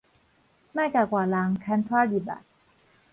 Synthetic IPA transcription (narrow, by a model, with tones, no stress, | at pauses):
ma˥˨jka˧˩kwaː˨˩la˧ŋkʰa˧˥nt̪ʰwaː˥li˨˩ba̰˨˩t̚